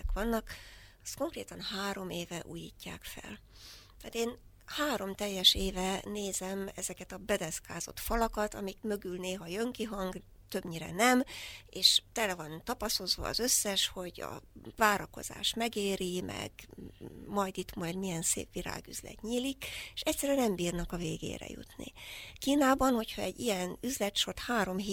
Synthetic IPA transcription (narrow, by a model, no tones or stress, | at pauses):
ɛkʋɒnːɒkɒ̥st̪ko̞ŋkreːt̪ɒnhaːɾo̞meːvɛʔuːjḭːcːa̰ːkfɛ̰l | t̪aːt̪eːn | haːɾo̞mt̪ɛjːɛʃeːvɛneːzɛmɛzɛkɛt̪ɒbɛd̪ɛskaːzo̞̰t̪fɒlɒkɒt̪ɒmikmø̞ɡylneːɦɒjøŋkiɦɒŋɡ | t̪ø̞bɲiɾɛ̰nɛmeːʃt̪ɛlɛvɒnt̪ɒpɒso̞zʋɒ̰ːzø̞sːɛʃho̞ɟɒ̰vaːɾɒko̞̰z̥a̰ːʃmɛɡeːɾimɛ̰ɡ̥ | mɒjd̪it̪mɒjd̪mijɛnsḛːpʋiɾa̰ːɡy̰zlɛ̰t̪ɲiːlikeʃɛcʲsɛɾyɛnɛmbiːrnɒkɒveːɡḛːɾɛ̰jṵt̪nḭkiːnaːbɒnho̞chɒɛɟːijɛnyzlɛt̪ʃort̪haːɾo̞mɦe